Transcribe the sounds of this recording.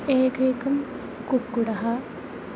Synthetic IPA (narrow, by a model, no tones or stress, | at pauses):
eːkeːkɐm | kukːuɽɐɦɐ